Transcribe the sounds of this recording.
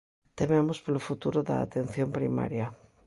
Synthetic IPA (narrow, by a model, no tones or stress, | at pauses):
t̪ememʊspolofut̪uɾʊða̰ːt̪ẽn̟θjompɾima̰ɾjɐ